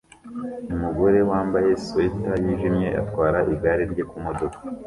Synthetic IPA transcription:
umuɡo̞ɾe̞waːmbaje̞swetajiʒimɲe̞ʔa̰tkwaːɾaʔiɡaɾiɾɟekumo̞do̞kḁ

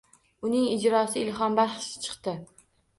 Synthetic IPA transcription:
ʊnɪŋɪd͡ʒɾɒsɪɪlɦɒmbaɾχʃt͡ʃʰɨ̥qt̪ɪ

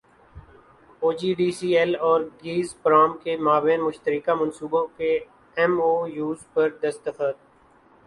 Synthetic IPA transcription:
oːd͡ʒiːɖiːsiːɛlɔːɾɡiːzpɾaːmkemaːbẽːnmʊʃt̪əɾɪkamɐ̃nsuːbõke | ɛmoːjuːzpɐɾd̪ɐst̪əfəd̪̚

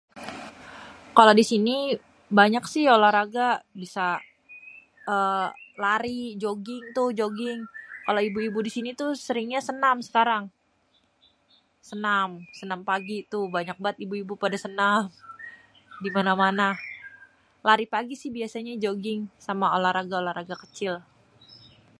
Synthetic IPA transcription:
kalodisini | baɲaksɪholahɾaɡabisa | əlaɾid͡ʒoɡɪŋt̪ʊhd͡ʒoɡɪŋkaloibuibudisinit̪usəɾɪŋɲasənamsə̥kaɾaŋ | sənamsənampaɡit̪ʊhbaɲak̚bat̪ibuibupadasənam | dimanamana | laɾipaɡisɪhbiasaɲad͡ʒoɡɪŋsamaolahɾaɡaolahɾaɡakət͡ʃɪl

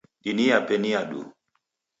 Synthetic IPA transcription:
ɗiniapɛnijaɗṵ

